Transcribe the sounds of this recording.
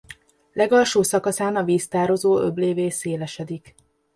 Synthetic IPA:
lɛɡɒlʃoːsɒkɒsaːnɒviːst̪aːɾo̞zoːøbleːveːseːlɛʃɛd̪ik

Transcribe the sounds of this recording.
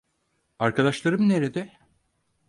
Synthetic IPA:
aɾkad̪aʃlˠaɾɯmne̞ɾed̪ɛ

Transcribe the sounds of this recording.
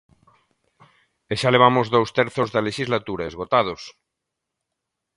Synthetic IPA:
eʃaleβ̞amozðowst̪eɾθozðaleʃizlat̪uɾaezɣot̪að̞os

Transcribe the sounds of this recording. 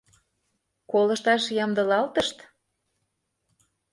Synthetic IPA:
kolɤ̆ʃt̪ɑʃjɑmd̪ɤ̆lɑlt̪əʃt̪

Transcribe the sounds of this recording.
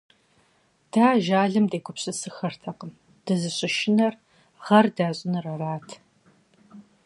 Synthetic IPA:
d̥aːʒaːɮɨmdeːkʷʰʊpɕʼɪsɨxɐrtʰɐqəm | d̥ɨzɨɕʼɪʃɪnɐr | ʁɐrdaːɕʼɪnɨrɐraːtʰ

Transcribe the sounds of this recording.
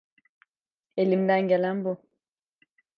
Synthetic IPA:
elim̩daŋɡɛlambɔ

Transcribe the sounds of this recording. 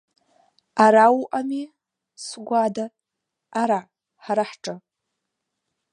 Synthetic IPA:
aɾawʔami | sɡʷada | aɾaʕ | ħaɾaħʈ͡ʂʼa

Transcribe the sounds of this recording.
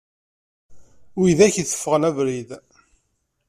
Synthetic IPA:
wiðæçiθə̥fːəʁənævɾið

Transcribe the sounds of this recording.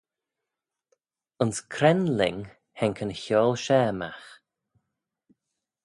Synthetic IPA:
ənskʰɾɛnlɪŋ | hɛŋkʰənçɔːlˠʃɛːma̰x

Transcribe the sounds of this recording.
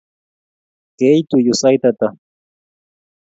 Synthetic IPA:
kejt̪ʊjʊsajt̪at̪a

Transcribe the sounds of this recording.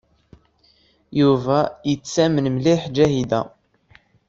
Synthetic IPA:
juvæjət͡sːæmənmliħd͡ʒæhid̪æ

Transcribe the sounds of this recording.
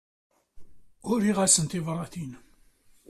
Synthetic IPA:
ʊɾiʁæsənt̪ivrˤːɑθin

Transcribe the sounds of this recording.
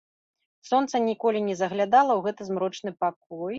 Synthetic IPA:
sɔnt̪sɐnʲikɔlʲinʲɛzɐɣlʲad̪alˠɐwɣɛt̪ɨzmɾɔt͡ʂnɨpak̚ɔj

